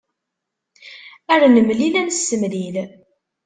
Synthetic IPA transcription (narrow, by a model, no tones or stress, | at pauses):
æɾnəmlilænsːəmlil